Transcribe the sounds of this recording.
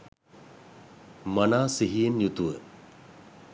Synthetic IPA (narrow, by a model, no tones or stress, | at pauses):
manaːsiɦijenjut̪uʋə